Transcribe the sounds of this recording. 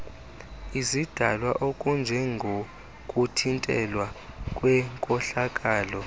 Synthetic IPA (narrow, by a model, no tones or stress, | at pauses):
izid̥ʱa̰lwaʔokʼund͡ʒʱɛŋɡʱo | kʼutʰintʼɛ̰lwa | kʼwɛŋkʼɔɬakʼaːlɔ